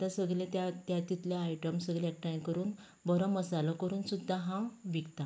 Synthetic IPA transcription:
t̪ãsəɡɭlẽt̪at̪jat̪it̪ljaajʈəmsəɡɭeek̚ʈajkəɾuːn | bɔɾɔ̃məsalɔkəɾuːnsud̪ʱːaɦãʋikt̪a

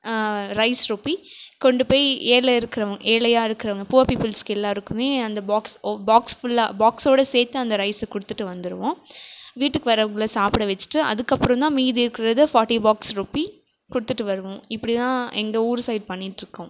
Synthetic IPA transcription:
ɾɐɪsɾuːpːikɔɳɖɯpoːɪeːlɛɪɾɯkːɪɾɐʋɐŋɡɐʔeːlɐjaːɪɾɯkːɪɾɐʋɐŋɡɐpuːʋɐpiːpːɪlskɛlːãːɪɾɯkːɯmeːɐnd̪ɐbaːksbaːksfʊlːaːbaːksoːɽɐseːt̪ːɯɐnd̪ɐɾɐɪsɛkʊɽɯt̪ːɯʈːɯʋɐnd̪ɯɾɯʋʊ̃ʋiːʈːɯkːɯʋɐɾɐʋɐŋɡɐɭɐsaːpɽɐʋɛt͡ʃːɯ̥ʈːɯɐ̰ðɯkːɐpːɯɾɔ̃t̪ãːmiːðɪɾɯkːɪɾɐðɯfaːɾʈːibaːksɾuːpːi | kʊɽɯt̪ːɯʈːɯʋɐɾɯʋʊ̃ɪpːɐɽit̪ãːɛŋɡɐuːɾsɐɪɖ̚pɐɳːɪʈːɪɾɯkːʊ̃

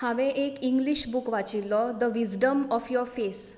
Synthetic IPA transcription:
haʋẽʔekiŋɡliɕbukʋat͡ɕilːɔd̪əʋizɖəmɔfjɔɾfes

